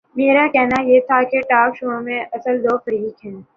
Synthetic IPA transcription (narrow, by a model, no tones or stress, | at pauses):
meːɾakɛɦnajeːt̪ʰakeʈaːkʃuõmẽʔɐsəld̪oːfɐɾiːkɦɛ̃ː